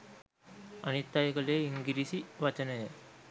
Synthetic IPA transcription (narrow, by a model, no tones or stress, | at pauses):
ɐnit̪ːajɐkɐleːiŋɡiɾisiʋɐt͡ʃɐnɐjɐ